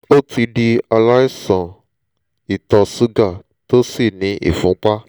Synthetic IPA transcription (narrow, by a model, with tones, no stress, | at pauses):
o˦ti˧di˧a˧la˦i˦sɔ̃˨ | i˨tɔ˧su˦ɡa˦˨ | to˦si˦˨nĩ˨˦ʔḭ˦˨fũ˨˦k͡pa˦